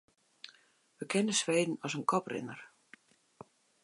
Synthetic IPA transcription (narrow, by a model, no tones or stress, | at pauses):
ʋəkʰɛnəsʋejd̪n̩ɔsənkʰɔprɪ̰nər